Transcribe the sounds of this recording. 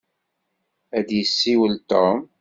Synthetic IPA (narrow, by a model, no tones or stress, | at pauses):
æd̪jəsːiwəlt̪om